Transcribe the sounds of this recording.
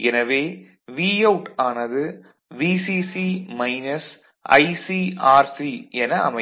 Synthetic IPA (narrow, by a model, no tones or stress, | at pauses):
ɛnɐʋeː | ʋiːɐʊʈaːnɐðɯ | ʋiːsisimɐɪnɐs | ɐ̰ɪsiaːɾsiɛnɐ̰ːmɐ